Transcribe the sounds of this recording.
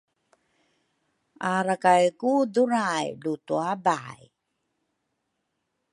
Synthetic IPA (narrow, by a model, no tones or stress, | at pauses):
aɾakajkuduɾajlutuabaj